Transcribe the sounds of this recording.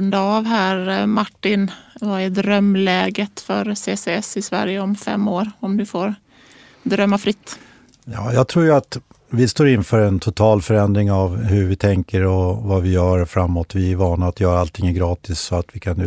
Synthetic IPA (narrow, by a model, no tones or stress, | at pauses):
nd̪aavɦæːɾmaʈːɪnvaɛd̪ɾœmːlɛːɡət̪fœɾseːseɛsɪsvæ̰ɾjəɔmfɛ̰mːoːɾɔmd̪ɵfoːɾ | d̪ɾœmːafɾɪt̪ː | jɑːjɑːɡ̚t̪ʰɾuːjɵat̪ | vɪst̪oːɾɪnfœːɾɛnt̪ʰʊt̪ʰɑːlfœɾɛnd̪ɾɪŋavɦɵɾvɪt̪ʰɛŋkəɾɔvavɪjœːɾfɾamːot̪vɪɛvɑːnaːt̪jœːɾaalt̪ʰɪŋːəɡɾɑːt̪ɪsːɔat̪vɪkʰanː